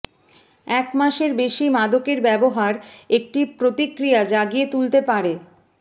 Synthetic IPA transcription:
ɛkmaʃeɾbeʃimad̪okeɾbɛboɦaɾek̚ʈipɾot̪ikːɾijad͡ʑaɡijet̪ult̪epaɾe

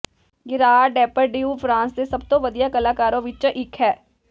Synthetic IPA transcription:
ɡɪɾaːɖɛːpəɾɖiːuːpʰɾãːnsd̪eːsəb̚t̪õːʋəd̪ijaːkəlaːkaːɾõːʋɪt͡ʃʔɪkʰɦɛː

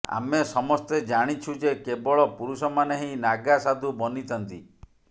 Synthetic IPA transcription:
a̰mesɔmɔst̪ed͡ʒaɽ̃it͡ʃʰud͡ʒekebɔɭɔpuɾusɔmaneɦinaɡasad̪ʱubɔnit̪ʰɔnt̪i

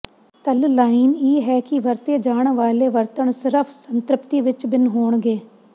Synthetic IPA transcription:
t̪əllaːineːɦɛːkiʋəɾt̪ed͡ʒaːɳ̃ʋaːleːʋəɾt̪əɳsɪɾəpʰsənt̪ɾɪpt̪iʋɪt͡ʃbɪnɦoːɳɡeː

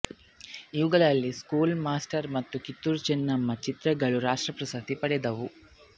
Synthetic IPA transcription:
iʋuɡɐɭɐlːiskuːlmaːsʈɐɾmɐt̪ːukit̪ːuɾt͡ʃenːɐmːɐt͡ʃit̪ɾɐɡɐɭuɾaːʂʈɾɐpɾɐsɐt̪ipɐɽɛd̪ɐʋu

